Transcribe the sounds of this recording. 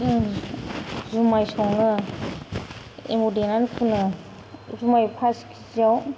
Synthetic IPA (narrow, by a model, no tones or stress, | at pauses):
zumajsɔwnɯ | ḛmudenankʰuna | zumajpʰaskʰi̥zaw